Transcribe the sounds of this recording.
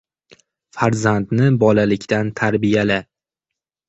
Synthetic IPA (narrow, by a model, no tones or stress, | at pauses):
faɾzand̪nɪbɒlalɪkʲt̪ant̪ʰaɾbijalɪ